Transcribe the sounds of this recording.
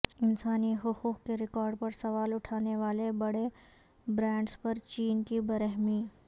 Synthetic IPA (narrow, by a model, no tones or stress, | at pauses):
ɪnsaːniɦʊxuːqkeɾɪkɔːɾɖ̚pɐɾsɐʋaːlʊʈʰaːneʋaːlebɐɽe | bɾɛ̃ːɳɖspɐɾt͡ʃiːnkibɐɾəɦmiː